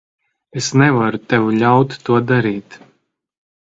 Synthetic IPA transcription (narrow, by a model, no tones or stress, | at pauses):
esnɛvaɾut̪ɛvuʎʲawt̪ːuɔd̪aɾiːt̪